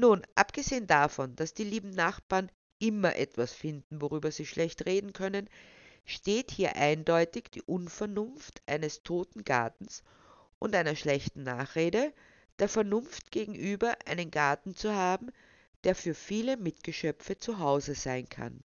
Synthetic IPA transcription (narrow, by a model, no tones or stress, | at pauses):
nuːnʔa̰pɡ̥əzeːəndafɔnd̥asd̥iːliːbm̩naχb̥aːɐn | ʔɪmɐʔɛtv̥asfɪndn̩voʁyːbɐziːʃlʔɛçtʁeːdn̩kʰœnənʃteːthiːɐʔaɪndɔʏtɪçd̥ḭːʔʊnfɛɐnʊnftʔaɪnəstʰoːtn̩ɡ̥a̰ɐtn̩s | ʔʊntʔaæɪnɐʃlɛçtn̩na̰ːχʁeːdə | d̥eːɐfɛɐnʊnftɡ̥eːɡŋ̩ʔyːbɐʔa̰ɪnənɡ̥aɐtn̩t͡suhaːbm̩ | d̥eːɐfyːɐfiːləmɪtɡ̥əʃœpp͡fət͡suɦaʊzəz̥aɪnkʰa̰n